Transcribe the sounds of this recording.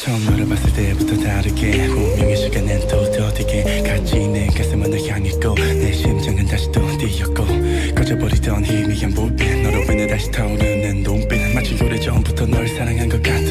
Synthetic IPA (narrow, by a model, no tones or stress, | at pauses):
t͡ɕʌŋmaɾɯmas͈ɯɭt͈eputʰʌtaɾɯkehomjʌŋeɕʰiɡanentʌtʌteɡe | kat͡ɕʰinːekas͈ɯmʌnɯkʰeaŋet̚k͈oneɕʰimt͡ɕaŋɯntaɕʰi̥toteiʌt̚k͈o | kʌd͡ʑʌpʌɾitʌnimiɡanpopenʌɾʌenɯntaɕʰi̥tʰauɾanɯnːompenamat͡ɕʰinsoɾet͡ɕʌmbutʰʌnʌɭs͈ʰaɾaŋɦanɡʌk͈at̚